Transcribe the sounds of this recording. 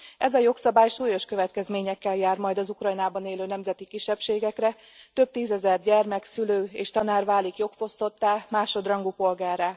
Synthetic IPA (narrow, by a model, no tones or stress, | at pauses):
ʔɛzɒjo̞ksɒbaːjʃuːjo̞ʃkø̞vɛt̪̚kɛzmeːɲɛkːɛljaːrmɒjd̪ɒzukrɒjnaːbɒneːløːnɛmzɛt̪ikiʃːɛpʃeːɡɛkrɛ | t̪ø̞b̚t̪iːzɛzɛrɟɛrmɛksyløːeːʃt̪ɒnaːrvaːlikjo̞kfo̞st̪o̞t̪ːaːmaːʃo̞d̪rɒŋɡupo̞lɡaːrːaː